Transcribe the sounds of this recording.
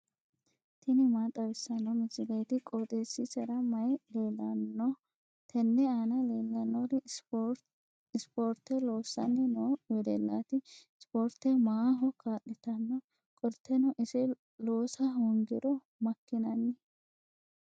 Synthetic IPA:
t̪ɪnɪmaːt̪ʼɐwɪsːɐnɔmɪsɪlɐjt̪ɪkʼoːt̪ʼesːɪsɛɾɐmɐjleːlːɐnːɔ | t̪ʰɛnːɛaːnɐleːlːɐnːɔɾɪ | ɪspoːɾt̪ːɛloːsːɐnːɪnoːwɛd̪ɛ̰lːat̪ɪ | spoːɾt̪ːɛmaːɦɔkaːʔɪt̪ɐnːɔ | kʼɔɾt̪ːɛnɔʔɪsɪ | loːsɐhʊŋɡɪɾɔ | mɐkːɪnɐnːɪ

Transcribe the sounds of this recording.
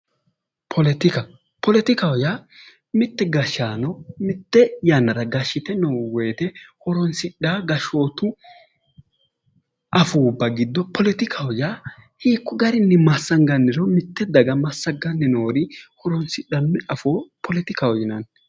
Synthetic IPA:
pʰɔlɛt̪ɪkɐ | pɔlɛt̪ɪkɐwɔja | mɪt̪ːɛɡɐʃːaːnɔmɪt̪ːɛjanːɐɾɐɡɐʃɪt̪ɛnɔwwɛːt̪ɛhɔɾɔnsɪᶑːaːɡɐʃoːt̪ʊ | ʔɐfuːbːɐɡɪd̪ːɔpʰɔlɛt̪ɪkʰɐwɔjahiːkːʊɡɐɾɪnːɪmɐsːɐŋɡɐnːɪɾɔmɪt̪ːɛd̪ɐɡɐmɐsːɐŋɡɐnːɪnoːɾɪhɔɾɔnsɪɗɐmɪɐfoːpʰɔlɛt̪ɪkɐwɔjɪnɐn

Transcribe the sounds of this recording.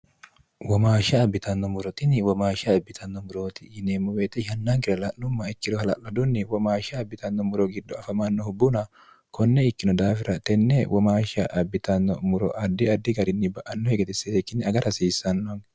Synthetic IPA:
wɔmaːʃɐːbːɪt̪ɐnːɔmʊɾɔt̪ʼɪnɪwɔmaːʃɐɐbːɪt̪ʰɐnːɔmʊɾoːt̪ɪ̥ːnemːʊweːt̪ɛʃɐnːaːŋɡɪɾɐlɐnnɔmːɐɪkːɪɾɔhɐlɐ̰ʔɐd̪ʊnːɪwɔmaːʃɐːbːɪt̪ɐnːɔmʊɾɔɡɪd̪ːɔɐfɐmanːɔhʊbːʊnɐ | kɔnːɛɪkːɪnɔd̪aːfɪɾɐt̪ɛnːɛwʔɔmaːʃɐʔɐbːɪt̪ɐnːɔmʊɾɔ̰ʔɐd̪ːɪɐd̪ːɪɡɐɾɪnːɪbɐʔɐnːɔheɡɛt̪ɪseːkːɪnːɪɐɡɐɾɐsiːsːɐnːɔŋ

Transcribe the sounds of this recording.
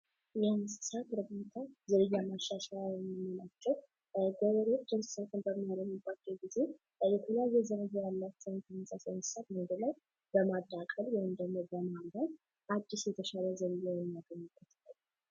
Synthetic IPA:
jansɨ̥sat̪ɾɨbot̪ʰazəɾɨjːamaʃːaʃajmɨmnat͡ʃːɛw | ɡoβəɾot͡ʃːansɨ̥sat̪ʰɨnbəmːijaləmɨbːat͡ʃːɛwɡize | jɛt̪ʰəleajːɛzəɾəjajalːat͡ʃːɛwnt̪ʰənɨnsʼasnsɨ̥sat̪mod̪əlaj | bəmad̪akʼəljɛhɪmd̪əɡmobəmand̪an | ʔad͡ʒːɪsjɛt̪ʰəʃaləzəɾɨjawɛmːaɡəɲːɨbːət̪ʰɨlːəlː

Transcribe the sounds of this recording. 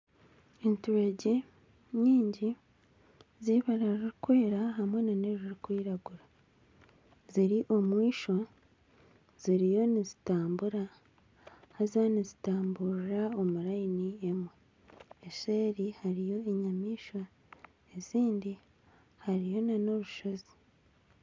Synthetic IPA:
entuweɟe | ɲiːɲɟi | ziβaɾaɾiɾikwe̞ːɾaɦamwe̞naneɾiɾikwiːɾaɡuɾa | ziɾiʔo̞mwiːʃo̞ | z̥iɾijo̞nizitaːmbuɾa | hazanizitaːmbuɾɾao̞muɾainiemwe | eʃeːɾihaɾijo̞eɲamiːʃwa | e̞ziːndi | haɾijo̞nano̞βuʃo̞zi̥

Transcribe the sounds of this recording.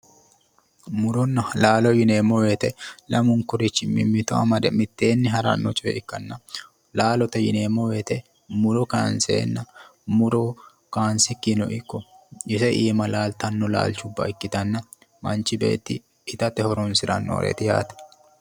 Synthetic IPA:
mʊɾɔnːɐlaːlɔjɪne̞ːmːɔwe̞ːt̪ɛlɐmʊŋkʊɾɪt͡ʃːɪmɪ̰mːɪt̪ɔɐ̰mɐd̪ɛmɪt̪ːe̞ːnːɪɦɐɾɐ̰nːɔt͡ʃʼɛɛ̰ʔɪkːɐnːɐ | laːlɔt̪ɐjɪ̰neːmːɔwe̞ːt̪ɛ | mʊɾɔkaːnsḛːnːɐmʊɾɔ | kaːnsɪkːinɔ̰ʔɪkːɔjɪsɛʔiːmɐlaːlt̪ɐnːɔla̰ːlt͡ʃʊbːɐ̰ɪkːɪt̪ɐnːɐ | mɐnt͡ʃːɪbe̞̰ːt̪ːɪː | t̪ɐt̪ːɛhɔɾɔnsɪɾɐnːɔ̰ːɾḛt̪ɪja̰ːt̪ɛ̥

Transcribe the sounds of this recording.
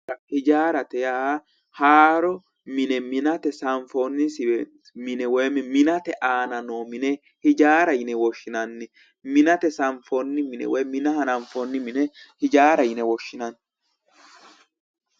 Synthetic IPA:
hɪd͡ʒaːɾɐt̪ɛjaha | haːɾɔ | mɪnɛmɪnɐt̪ɛsɐɱfonːɪsɪw | mɪnɛwɛjmɛmɪnɐt̪ɛʔaːnɐnoːmɪnɛ | hɪd͡ʒaːɾɐjɪnɛwɔʃːɪnɐnːɪ | mɪnɐt̪ɛsɐɱfonːɪmɪnɛ̰wɔjmɪnɐhɐnɐɱfɔnːɪmɪnɛhɪd͡ʒaːɾɐjɪnɛwɔʃːɪnɐn

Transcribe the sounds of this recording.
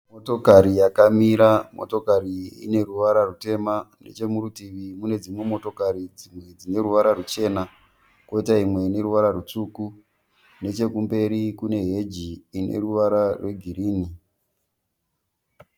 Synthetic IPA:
moto̞kaɾijakamiɾamʔo̞̰to̞kaɾiḭne̞ruʋaɾarute̞mane̞̰t͡ʃe̞murutiʋimune̞d͡zimwe̞mo̞to̞kaɾid͡zimwe̞d͡zine̞ruʋaɾarut͡ʃe̞ːna | ko̞itaimwe̞ine̞ɾuʋaɾarut͡suːku | ne̞t͡ʃe̞kumbe̞ɾikune̞ɦe̞d͡ʒiːnḛruʋaɾarwe̞ɡʱiriːni

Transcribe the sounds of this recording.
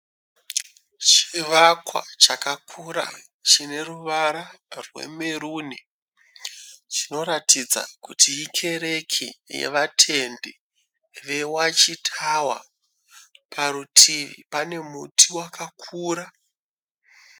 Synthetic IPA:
t͡ʃiʋakwa̰t͡ʃakakʰuɾa̰ | t͡ʃine̞ruʋaɾarwḛmeɾuːni | t͡ʃino̞ɾatid͡za̰kutʰijikʰe̞ɾe̞kʰḭjḛʋatʰe̞nde | ʋe̞wat͡ʃitʰawa̰ | pʰaɾutʰiʋḭpane̞mutʰiwakakʰuːɾa

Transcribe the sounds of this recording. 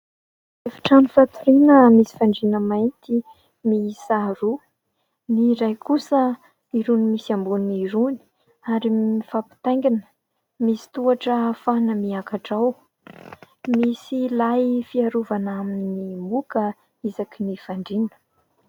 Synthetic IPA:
efḁʈ͡ʂanifat̪uɾinəmisi̥faɳɖ͡ʐinəmajnt̪i | misaɾu | niɾajkusə | iɾunimisambuniɾuni̥ | aɾiifapi̥t̪ajŋɡinə̥ | misi̥t̪uaʈ͡ʂəfanəmiakaʈ͡ʂaw | misilajfiaɾuvanaminimukə | izakinifaɳɖ͡ʐinə̥

